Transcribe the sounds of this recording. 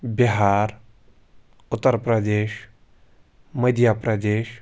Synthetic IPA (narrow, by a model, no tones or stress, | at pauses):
biɦaːɾ | ʊt̪ːəɾpɾɐd̪eːʃ | məd̪ʱjapɾəd̪eːʃ